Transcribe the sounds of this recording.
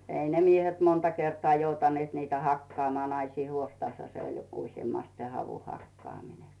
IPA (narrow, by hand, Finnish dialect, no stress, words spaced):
ei ne miehet montɑ kertŏɑː joutɑnĭeˑt niːtæ hɑkːŏɑːmŏɑː nɑisiː huostɑshɑ se olʲ joku usjemːɑst se hɑʋuhɑkːɑːmine